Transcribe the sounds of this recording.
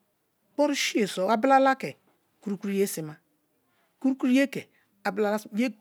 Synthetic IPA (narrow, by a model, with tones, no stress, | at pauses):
k͡pɔ˦ɾu˦ʃi˦e˨sɔ˨a˦bla˦la˦kɛ˨ | ku˦ɾu˦ku˦ɾi˦je˦si˨ma˦ | ku˦ɾu˦ku˦ɾu˦je˦kɛ˨ | a˨bla˦la˦˨je˦